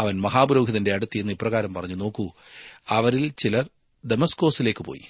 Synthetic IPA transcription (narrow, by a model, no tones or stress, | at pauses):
ɐʋɐnmɐɦaːbuɾo̞ːɡʱiðɐnde̞ɐɽut̪ːie̞nːipːrɐɣaːɾɐmpɐrɐɲːuno̞ːkːu | ɐʋɐɾilt͡ɕilɐr | d̪emɐsko̞ːsile̞ːkːɨpo̰ːjḭ